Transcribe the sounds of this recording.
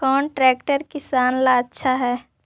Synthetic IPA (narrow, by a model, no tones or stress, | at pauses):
kɔːnʈɾɛːkʈəɾkɪsaːnlaətːʃʰaɦɛː